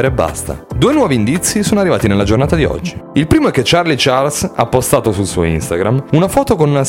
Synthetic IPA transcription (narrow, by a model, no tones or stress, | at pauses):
ɾebːa̰st̪a̰d̪uːenwɔːviːnd̪it̪sːisoːnoarːivaːt̪inelːad͡ʒornaːt̪ad̪iɔ̰d͡ʒːiilpɾiːmoɛk̟ːet͡ʃːarlit͡ʃarsa̰ːpːost̪aːt̪osulsṵːo̰ḭnst̪aɡɾamunafɔːt̪okonuna